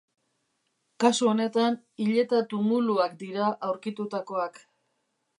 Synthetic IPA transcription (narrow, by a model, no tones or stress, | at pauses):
kasuo̞ne̞t̪an | iʎe̞t̪at̪umuluakd̪iɾaʔawɾkit̪ut̪ako̞ak